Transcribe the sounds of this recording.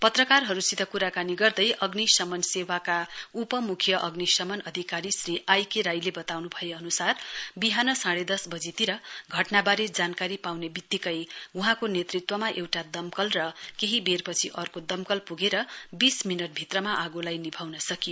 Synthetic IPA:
pʌt̪rʌkarɦʌɾusit̪ʌkuɾakaniɡʌrd̪ʌjʔʌɡnisʌmʌnsewakaupʌmukʰjʌʔʌɡnisʌmʌnʌd̪ʱikaɾisriʔajkeɾajlebʌt̪awnubʱʌjeʌnusarbiɦanʌsaɽed̪ʌsbʌd͡zit̪iɾʌɡʱʌʈnabaɾed͡zankaɾipawnebit̪ːikʌjuɦãkonet̪rit̪wʌmaʔewʈad̪ʌmkʌlrʌkeɦiberpʌt͡sʰiʔʌrkod̪ʌmkʌlpuɡeɾʌbisminʌʈ̚bʱit̪rʌmaʔaɡolajnibʱawnʌsʌkijo

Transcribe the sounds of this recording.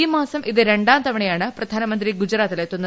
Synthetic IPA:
imaːsɐmʔiðɨɾeɳɖaːnt̪ɐmɐɳɐjaːɳɨprɐd̪ʱaːnɐmɐnt̪ɾiɡud͡ʑɾaːt̪ileːt̪ːunːɐ

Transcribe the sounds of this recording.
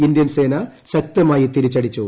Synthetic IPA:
ind̪jɐnseːnɐɕɐk̚t̪ɐmaːjit̪iɾit͡ɕːɐɽit͡ɕːu

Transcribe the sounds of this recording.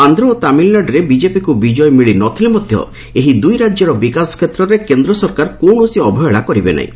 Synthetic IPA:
and̪ɾɔːt̪amilːaɖɾebid͡ʒepikubid͡ʒɔjɔmiɭinɔt̪ʰilemɔd̪ʱjɔ̰ | eɦid̪ujɾad͡ʒjɔɾɔbikasɔ̥kʰet̪ɾɔɾekend̪ɾɔsɔɾkaɾkoɳosiɔbʱɔjɔɭakɔɾibena̰ḭ̃

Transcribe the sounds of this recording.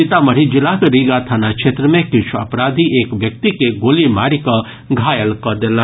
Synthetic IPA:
it̪aməɾ̤id͡ʒɪlakɾiɡat̪ʰanakt͡ʃʰeːt̪ɾəmẽkɪt͡ʃʰuɐpɾaːd̪ʱiʔeːkʋjɐk̚t̪ikeɡoːlimaːɽikɔ | ɡʱaːjəlkɔd̪ela

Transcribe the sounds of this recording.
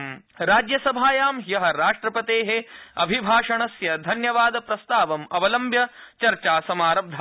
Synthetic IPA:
mɾaːd͡ʒjɐsɐbʱaːjaːmjɐɦɐɾaːʂʈɾɐpɐt̪eːɦeɐbʱibʱaːʂɐɳɐsjɐd̪ʱɐnjɐʋaːd̪ɐpɾɐst̪aːʋɐmɐʋɐlɐmbʱjɐt͡ʃɐɾt͡ʃaːsɐmaːɾɐb̚d̪ʱaː

